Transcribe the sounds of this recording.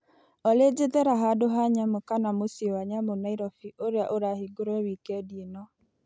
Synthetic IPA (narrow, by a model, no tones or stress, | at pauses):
ɔled͡ʒeðɛɾaɦadoɦaɲamokanamosiewaɲamonaiɾɔfiʔoɾjaʔoɾahiɡoɾɔwikɛdinɔ